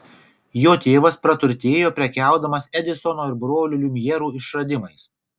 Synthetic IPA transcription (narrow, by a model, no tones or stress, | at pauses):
joːt̪ʲeːʋɐspɾɐt̪ʊɾʲt̪ʲeːjoːpʲɾʲɛkʲæˑʊd̪ɐmɐsɛd̪ʲɪsɔnoːɪɾbɾoːlʲʊlʲumʲjɛɾuːɪʃɾɐd̪ʲɪmɐɪs